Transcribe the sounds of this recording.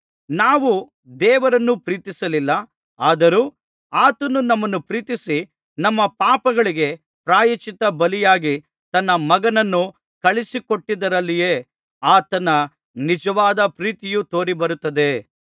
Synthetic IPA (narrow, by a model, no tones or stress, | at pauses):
naːʋu | d̪ɛːʋɐɾɐnːupɾiːt̪isɐlilːɐ | aːd̪ɐɾuː | aːt̪ɐnunɐmːɐnːupɾiːt̪isi | nɐmːɐpaːpɐɡɐɭiɡe̞ | pɾaːjɐt͡ʃit̪ɐbɐlijaːɡi | t̪ɐnːɐmɐɡɐnɐnːu | kɐɭisiko̞ʈːid̪ɐɾɐlːijeː | aːt̪ɐnɐ | nid͡ʒɐʋaːd̪ɐpɾiːt̪ijut̪o̞ːɾibɐɾut̪ːɐd̪e̞